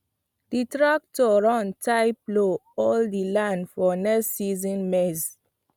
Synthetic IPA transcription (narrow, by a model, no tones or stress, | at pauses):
d̥itɹak̚tɔɹɔ̃ntʰajploɔldilãndfɔnɛstːizɔ̃nmɛs